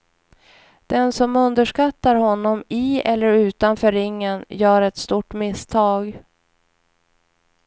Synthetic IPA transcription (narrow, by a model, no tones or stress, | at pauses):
d̪̥ɛnsɔmɵnd̪əʂkat̪ːaɾhɔnːɔmɪɛlːəɾʉ̟ːt̪anfœːɾɪŋːənjœːɾɛt̪st̪uːʈːmɪst̪ʰɑːɡ